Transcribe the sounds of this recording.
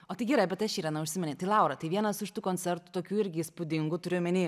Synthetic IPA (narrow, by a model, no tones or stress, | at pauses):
oːt̪ɐɪɡʲiːɾɐɪbʲɛt̪ɐʃiːɾɐnɐʊʃʲsʲɪmʲɛnʲeɪt̪ɐɪlˠɑˑʊɾɐt̪ɐɪʋʲiɛnɐsɪʃt̪uːkoːnʲsʲɛɾt̪u̥t̪oːkʲuːɪɾʲɡʲɪispʊd̪ʲɪŋɡuːt̪ʊɾʲʊmʲɪnʲiː